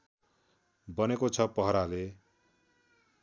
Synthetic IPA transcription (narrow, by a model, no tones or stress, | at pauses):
bʌnekot͡sʰʌpʌɦʌɾale